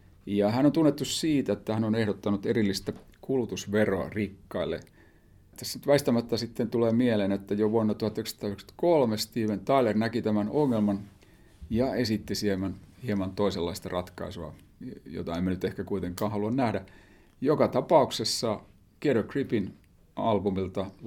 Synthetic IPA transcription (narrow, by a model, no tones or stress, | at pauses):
jɑhænont̪unːet̪ːussiːt̪æet̪ːæhænonehɾot̪ːɑnut̪erilːist̪æ | kulut̪usʋeroɑ̰rikːɑilːḛ | t̪ːæsenyt̪ʋæist̪æmæt̪ːæsit̪ːent̪uleːmielenet̪ːæjoʋuonːɑt̪uhɑt̪ːøkst̪ɑːyksɑ̥t̪kolmest̪iːʋent̪ɑilernækit̪æmænoŋːelmɑn | jɑesit̪ːisiemænhiemɑnt̪oiselːɑist̪ɑrɑt̪kɑ̰isuɑ̰ | jo̰t̪ɑemːænyt̪ehkækuit̪eŋkˑɑːhɑluɑnnæhdæ | jokɑt̪ɑpɑuksesːɑ | kieɾokripin | ɑlbumilt̪ɑ